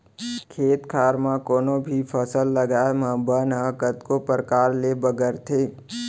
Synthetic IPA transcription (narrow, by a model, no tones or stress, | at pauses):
kʰeːt̪kʰaːɾmãkoːnõbʱipʰəsəlːəɡaːmə̃bənãkət̪kopəɾəkaːɾlebəɡəɾt̪ʰeː